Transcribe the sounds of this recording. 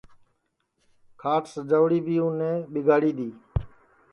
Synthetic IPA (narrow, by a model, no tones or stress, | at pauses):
kʰaːʈsd͡ʒəʋɽiːbʱiːʊnẽːɓɪɡaːɽiːd̪iː